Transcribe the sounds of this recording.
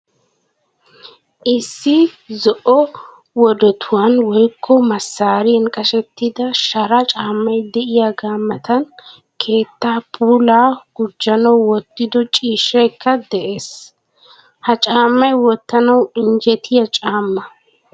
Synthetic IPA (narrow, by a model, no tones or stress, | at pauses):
ʔɪsːɪ | zɔʔɔ | wɔd̪ɔt̪ʰʊwanwɔjkʰːɔmɐsːaːɾɪɛnkʼɐʃɛt̪ːɪd̪ɐʃɐɾɐt͡ʃʼaːmːɐjd̪ɛʔɪjaːɡaːmːɐt̪ɐn | kʰe̞ːt̪ːaːpʰuːlaːɡ̥ʊd͡ʒːɐnɐwwɔt̪ːɪd̪ɔt͡ʃʼiːʃːɛjkːɐd̪ɛʔe̞ːs | hɐt͡ʃʼaːmːɐjwɔt̪ːɐnɐwɪnd͡ʒɛt̪ʰɪjɐt͡ʃʼaːmːɐ